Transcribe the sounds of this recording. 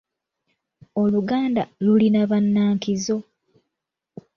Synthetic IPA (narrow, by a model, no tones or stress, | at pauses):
o̞luɡaːndalulinaβanːaːŋkizo̞